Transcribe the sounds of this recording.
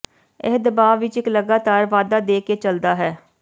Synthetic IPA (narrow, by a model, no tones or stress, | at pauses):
ɛɦd̪baːʋʋɪt͡ʃɪkləɡaːt̪aːɾʋaːd̪aːd̪eːket͡ʃəld̪aːɦɛː